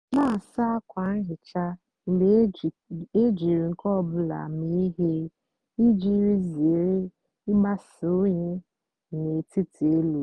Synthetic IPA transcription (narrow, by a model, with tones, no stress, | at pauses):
na˦˨a˨sa˦a˦kʷa˨n̩˦ɦɪ˨t͡ʃa˦ | m̩˨b | e˦d͡ʒi˨ɾi˨ŋ̩˨kɔ˦˨bʊ˨la̰˨mi˦i˦ɦe˦ | i˦d͡ʒi˦ɾi˦ze˨ɾe˦ | ɪ˦ɡ͡ba˦so˦ɲe˦ | ne˨ti˦tʰe˦lu˨